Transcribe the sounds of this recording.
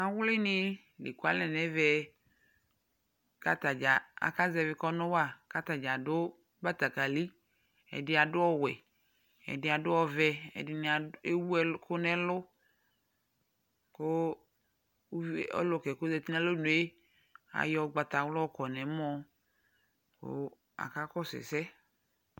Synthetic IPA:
a˨wlɪ˦nɪ̃˦ | le˨ko˦a˦lɛ̃˨nɛ̃˨vɛ˦ | ka˦t̪a˨d͡ʒa˨a̰˨ka˦zɛ˨vɪ˦kɔ˦nʊ̃˦wa˦˨ka˦t̪a˨d͡ʒa˨dʊ˦ | ba˦t̪a˨ka˨li˦ | ɛ̰˨dɪ˦a˨ɖʊ˦wɔ˦wɛ˨ | ɛ̰˨dɪ˦a˨dʊ˦ɔ˦vɛ˦ɛ̰˨dɪ˨n˨e˦wu˦ɛ˦kʊ˦nɛ˨˦lʊ˦ | ko˦ | ɔ̰˦lʊ˨kɛ˨ko˦zɛ˨t̪i˦nã˦lo˦nũ˨˦e˦ | a̰˨jɔ˨˦ɡ͡ba˨t̪a˨wlkɔ˨nɛ˨˦mɔ̃˦ | ko̰˦ | a̰˨ka˦kɔ˦sɪ̰˨sɛ˦

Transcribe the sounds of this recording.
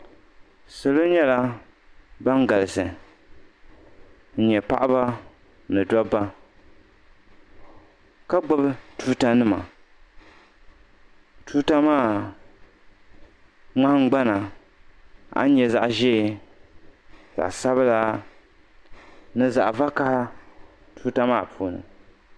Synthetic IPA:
so˨lo˦ɲɛ˦la˦ | ba˦ŋɡa˨lɨ˨sɨ˨ | n̩˨ɲɛ˨pa̰˦ʔa˦ba˦ | nɨ˨dɔ˦ba˦ | ka˦ɡ͡bo˦btu˦ta˦nɨ˦ma̰˨ | tu˦ta˦maː˦˨ | ŋ͡ma˦hŋ̩˦ɡ͡ba˦na˨ | a̰˦ɲɛ˨za˨ʔʒɛ˦˨ | z̥a̰˨ʔsa˦βɨ˦la˦ | nɨ˦za˨ʔva˦ka˦ha˦ | tu˦ta˦maː˦˨pu˨nɨ̰˨

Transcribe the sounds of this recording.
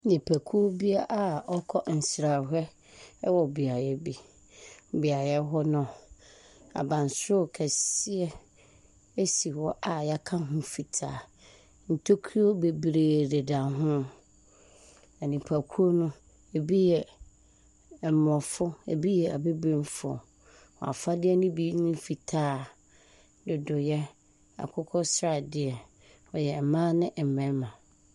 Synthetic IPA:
nĩ˨pʰæ˨kʰu˦o˦bi˦a˦ʔa˨ɔ˦kʰɔ˦n̩˨sɾa˨ɦɛ˦ | wɔ˨bi˨a˨jɛ˦bi˦˨ | bi˨a˨jɛ˦ɦɔ˦nʊ̃˨ | a̰˨bã˨n˨sʊ˦˨kʰɛ˨sɪ˦ɛ˦ | e˦si˨wɔ˦ʔa˨ja˦kʰã˦ɦʊ̃˦fi˨tʰaː˨ | n̩˨tʰo˦kʰi˦o˦be˨bɾeː˨de˨dã˨ɦʊ̃˦ | a˨nĩ˨pʰa˨kʰu˦o˦nʊ̃˦ | e˨bi˦jɛ˨ | mɔ̃˨fʊ˦ḛ˨bi˦jɛ˨a˨be˦bẽ˦mfʊ˦ɔ̰˨ | wɔ̰˨a̰˨fa˦dɪ˦ɛ˦nʊ̃˦bi˦nʊ̃˦fi˨tʰaː˦ | dʊ˨dʊ˨jɛ˦ | a̰˨kʰʊ˦kʰɔ˦sɾa˨dɪ˨ɛ˨ | ɔ˨jɛ˨m̩˨mãː˦nɪ̃˦ʔ̩˨mɛ̃˨˦mã˨

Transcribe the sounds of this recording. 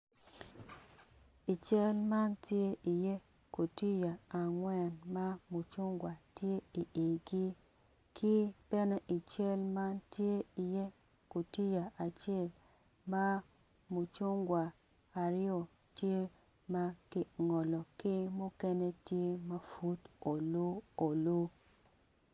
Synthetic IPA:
i˨t͡ʃɛ˦lma˦ntje˦ʔi˨je˦ | ko˨ti˦ja˨a˨ŋwɛ˦˨nma˦mu˨t͡ʃʊ˦ŋɡwa˨tje˦i˨ʔe˨ɡi˦ | kʰɪ˦b̥ɛ˦nɛ˦ʔi˨t͡ʃɛ˦lma˦ntje˦i˨je˦ | ko˨ti˦ja˨ʔa˨t͡ʃe˦˨l | ma˦ | mu˨t͡ʃʊ˦ŋɡwa˨ | a˨ɾɪ˦o˨ | tje˦ | ma˦kɪ˨ŋɔ˨lɔ˨kɪ˦mʊ˦kɛ˦ne˦tje˦ma˦fu˦to˨lo˦o˨lo˦

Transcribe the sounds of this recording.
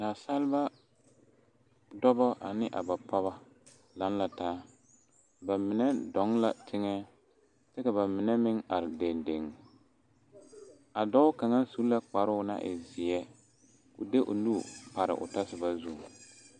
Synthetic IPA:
na˨sa˦lba˦ | dɔ˦bɔ˦ʔa˨nɪ˦ʔa̰˨ba˨pa˦βa˦ | la˨˦nla˨taː˦ | ba˨mɪ˨nɛ˦dɔ˨˦ŋla˨tʰɪ˦ŋɛ˦ | tɛ˦ka˨βa˨mɪ˨nɛ˦mɪ˦ŋa˨ɾɪ˨de˨nde˨ŋ˨ | a˨dɔ˦ʊ˦ka˨ŋa˦su˦la˦k͡pa˨ɾʊ˦na̰˦ʔɪ̰˨zɪ˨ɛ˦ | kʊ˨de˦ʔʊ̰˨nu˦˨pa˨ɾɪ̰˨ʔʊ̰˨ta˦sɪ˦ba˦zu˦˨

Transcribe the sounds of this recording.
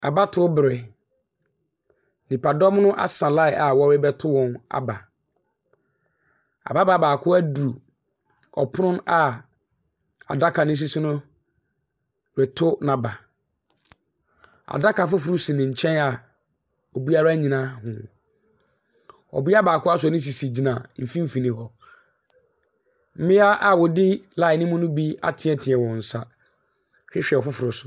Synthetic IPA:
a˨ba˦tʰʊ˦bɪ˨ɾɪ˨ | nĩ˨pa˨dɔ˦mnʊ̃˦ʔa̰˨sã˨la˦ɪ˨ʔa˨wɔ˦ɾɪ˦bɛ˦tʰʊ˦wɔ̃˨na̰˨ba˨ | a̰˨ba˦ba˦baː˨kʰʊ˦æ˦du˨u˨ | ɔ̰˨pʰʊ˦nʊ̃˦na˨ | a̰˨da˦kʰa˨nɪ̃˦s̬i˦sũ˦nʊ̃˦ | ɾɪ˨tʰʊ˦nã˨ba˨ | a̰˨da˦kʰa˨fʊ˦fʊ˨ɾʊ˦sĩ˨nɪ̃˨ɲ̩˨t͡ɕʰɛ̃˦na˨ | ɔ˨bi˦a˦ɾa˦ɲĩ˨nã˦hʊ̃˨ | ɔ̰˨bi˦a˦baː˨kʰʊ˦a˦sʊ˨ɔ˨nɪ̃˦s̬i˨si˨d͡ʑi˨nã˨m̩˨fĩ˦m̩˦fi˨nĩ˨hɔ˨ | m̩˦mɪ̃˦a˦ʔa˨wɔ˨dɪ˦la˨ɪ˨nɪ̃˦mʊ̃˦nʊ̃˦bi˦a̰˦tʰɪ̃˨ɛ˦tʰɪ̃˨ɛ˨wɔ̃˨n̩˨sa˦ | ɕᶣɪ˦ɕᶣɛ˨ɔ˨fʊ˦fʊ˨ɾʊ˨sʊ̥˨

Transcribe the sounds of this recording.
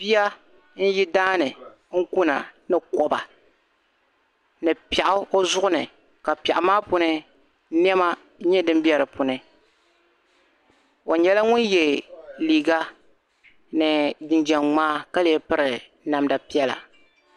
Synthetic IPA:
bi˦ja˦ | n̩˦ji˦daː˦nɨ˨ | ŋ̩˦ku˦na̰˨nɨ˨kɔ˨ba˨ | nɨ˨pi˨ɛ˨ʔʊ˦o˦zʊ˦ʔʊ˦nɨ˨ | ka˨pɛ˨ʔʊ˨maː˦pʊ˦nɨ˦ | n˦ɛ˦ma˦ | ɲɛ˦dɨ˦mbi˦ɛ˨ɾɨ˨pu˨nɨ˦ | o˨ɲɛ˨la˦ŋʊ˦njɛ˨liː˨ɡa˦ | nɨ˨dɨ˨nd͡ʒɛ˨ŋŋ͡maː˦ka˦lɪ˨ɛ˨pɨ˦ɾɨ˨˦ | na˨mda˨pi˦ɛ˦la̰˨

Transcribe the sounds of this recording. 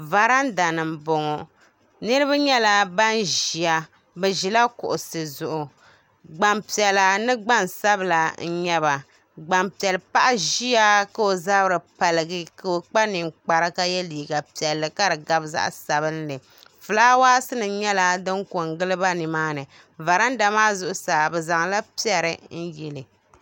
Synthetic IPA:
va˨ɾa˦n˦da˨nɨ˨m˨bo˨ŋɔ˨ | nɨ˦ɾɨ˦βa˦ɲɛ˦la˨ba˦nʒi˨a˨ | bɛ˨ʒi˨la˦kʊ̰˨ʔʊ˨sɨ˨zʊ˨ʔʊ˨ | ɡ͡ba˨mpi˨ɛ˨la˨nɨ˦ɡ͡ba˦n˨sa˦bɨ˨la˨n̩˦ɲɛ˦βa˨ | ɡ͡ba˨mpi˨ɛ˨lpa˦ʔa˦ʒi˦a˦ka˨o˨za˦bɨ˦ɾɨ˨pa˨lɨ˨ɡɨ˦ka˦o˨k͡pa˦nɨ˨ŋ͡mk͡pa˨ɾɨ˦ka˦jɛ˦liː˨ɡa˨pi˨ɛ˨lːɨ˨ka˦dɨ˨ɡa˦bza̰˦ʔsa˨βɨ˦n˦lɨ˨ | fɨ˨laː˦waː˦sɨ˦nɨ˨ɲɛ˦la˦dɨ˦ŋko˨ŋ˦ɡɨ˦lɨ˦ba˦nɨ˨maː˦nɨ˨ | va˨ɾa˦n˦da˨maː˦zʊ˦ʔʊ˦saː˨bɛ˨za˨ŋla˦pi˦ɛ˨ɾɨ˨n̩˦jɛ˨lɨ˨

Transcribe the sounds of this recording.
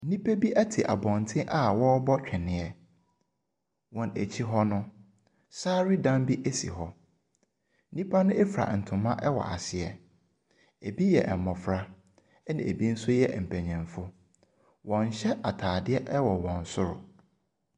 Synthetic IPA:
n̩˦nĩ˦pʰæ˦bi˦ʔæ˦tʰɪ˨ʔa̰˨bɔ̃˨ntʰɪ̃˦ʔa˦˨wɔ˦bɔ˦t͡ɕᶣʰɛ˨nɪ̃˨ɛ˨ | wɔ̃˨nḛ˨t͡ɕʰi˦ɦɔ˦nʊ̃˦ | saː˦ɾi˦dã˦mbi˦ʔe˦sḭ˨ɦɔ˦ | n̩˦nĩ˦pʰa˦nʊ̃˦e˦fɾa̰˨n̩˨tʰʊ̃˨mã˦ʔɛ˦wɔ̰˨ʔa̰˨sɪ˨ɛ˨ | e˨bi˦jɛ̰˨ʔɛ˨mɔ̃˨fɾa˦ | nã̰˨ḛ˨bi˦n̩˦sʊ˦jɛ˦m̩˨pʰæ˨ɲɛ̃˨nfʊ˦ | wɔ̃˨n˨ɕɛ˦ʔa˨tʰaː˨dɪ˦ɛ˦ʔɛ˦wɔ˨wɔ̃˨n̩˨sʊ˦ɾʊ̰˨

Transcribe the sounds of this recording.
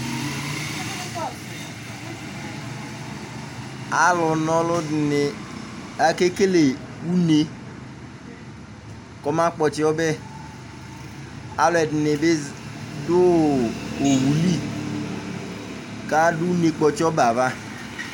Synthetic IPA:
a˨lʊ˨nɔ˨lʊ˦dnɪ˨ | a˨ke˦ke˦le˨ | u˦ne˦ | kɔ˦ma˦k͡pɔ˨t͡ʃɪ˦ɔ˦bɛ˦ | a˦lʊ˨ɛ˨dɪ˨nɪ˨bɪ˦dʊ˦ | o˨wu˨li˦ | ka˦dʊ˦u˦ne˨k͡pɔ˨t͡ʃɪ˦ɔ˦ba˨va˦

